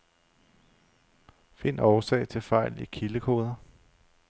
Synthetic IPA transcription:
fe̝n̰ɒːsɛ̰ɪt͡sʰe̝lfɑ̈ɪ̰likʰiləkʰo̝̰ːð̞ˠɐ

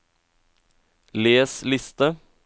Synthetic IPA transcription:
leːslɪst̪ə

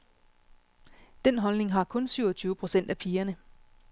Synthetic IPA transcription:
d̥enɦɒ̽lne̝ŋɦɑ̈kʰɔ̽nsyʊɐt͡sʰyːʊəpʰʁo̝sen̰d̥æpʰiːɐnə

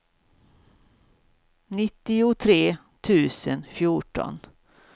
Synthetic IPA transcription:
nɪt̪ːɪʊt̪ʰɾeː | t̪ʰʉ̟ːsənfjuʈɔ̰n

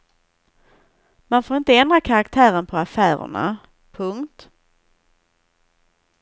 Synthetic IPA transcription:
manfoːɾɪnt̪əɛnd̪ɾakʰaɾakt̪ʰæːɾənpʰɔafæːɾə̰ɳa̰ | pʰɵŋkt̪

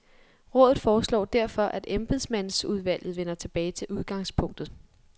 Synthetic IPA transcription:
ʁɔ̽ːðˠð̩ˠfɒːslɒ̰ːd̥æɐ̰fɒ̽ʔæd̥emb̥eðˠsmæn̰suð̞ˠʋæl̰jð̩ˠʋenɐt͡sʰe̝b̥ɛːɪt͡sʰe̝ʔuð̞ˠɡ̥ɑ̈ŋspʰɔ̽ŋ̰d̥ð̩ˠ

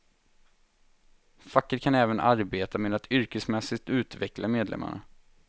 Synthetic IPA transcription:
fakːəɾkʰanɛːvənʔaɾbeːt̪ameːd̪at̪ʰʏɾkəsmɛsɪk̚t̪ʉ̟ːt̪vɛklʔameːd̪lɛ̰mːa̰ɳa̰

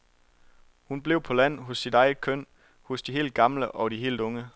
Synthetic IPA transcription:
hunb̥le̝ʊ̰pʰɒ̽læn̰ɦɔsːid̥ɑ̈ɪð̩kʰøn̰ | hɔsd̥iɦe̝̰ːld̚ɡ̥ɑ̈mləʔɒ̽ɾ̥iɦe̝̰ːld̥ɔ̽ŋə

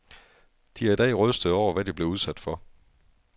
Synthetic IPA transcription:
d̥iæid̥ɛ̰ːʁœsd̥əð̩ˠɒʊ̰ɐʋæd̥ib̥le̝uð̞ˠsæd̥fɒ̽

